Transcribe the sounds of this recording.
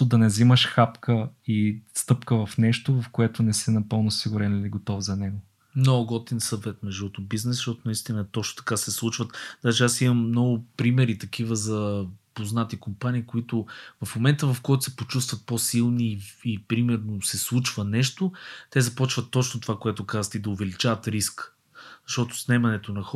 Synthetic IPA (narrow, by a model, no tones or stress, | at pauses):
ʊd̪ɐnɛziməʃxapkə | ist̪ɤpkəvɐfnɛʃt̪ovɐfkoɛt̪ʊnɛsɛnɐpɤlˠnosiɡʊɾɛniliɡot̪ɔfzɐnɛɡo | noɡɔt̪insəd̪vɛt̪nɛʒiɔt̪obiznɛsʃt̪ɔt̪ʊnɐist̪inət̪ɔt͡ʃno̥t̪ɐ̥kasɛslˠut͡ʃvət̪d̪aʒɛasimɐmːnɔɡʊpɾimɛɾit̪ɐkʰivəzɐpoznat̪ikompaniːkoit̪ʊvɐfmomɛnt̪əvɐfkɔjt̪ʊ̥sɛpot͡ʃust̪vɐt̪̚posilˠniːpɾimɛɾnosɛslˠut͡ʃvənɛʃt̪ot̪ɛzɐpɔt͡ʃvət̪ːɔt͡ʃnot̪ovakoɛt̪ʊkazət̪id̪ɐovɛlit͡ʃavɐt̪ɾisk | zɐʃt̪ɔt̪ʊ̥snɛmɐnɛt̪onɐxɔ